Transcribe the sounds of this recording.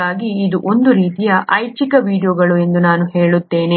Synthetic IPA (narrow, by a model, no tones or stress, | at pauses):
aːɡiːd̪uʔo̞nd̪uɾiːt̪ijɐʔɐjt͡ʃikɐʋiːɖijoːɡɐɭue̞nd̪unaːnuɦe̞ːɭut̪ːe̞ːne